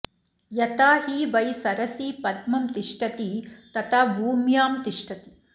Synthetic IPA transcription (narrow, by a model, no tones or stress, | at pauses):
jɐt̪aːɦiʋɐjsɐɾɐsiːpɐd̪mɐmt̪iʂʈɐt̪it̪ɐt̪ʰɐbʱuːmjaːmt̪iʂʈɐt̪i̥